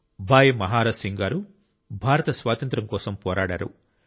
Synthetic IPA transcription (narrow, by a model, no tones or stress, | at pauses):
bʱaːjɐmɐɦaːɾɐsiŋɡaːɾu | bʱaːɾɐt̪ɐsʋaːt̪ɐnt̪ɾɐŋkɔːsɐmpɔːɾaːɽa̰ːɾṵ